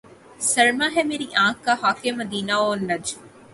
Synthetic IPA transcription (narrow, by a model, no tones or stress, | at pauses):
sɐɾmaɦɛmeːɾiʔãːkːaɦaːkemɐd̪iːnaoːnɐd͡ʒ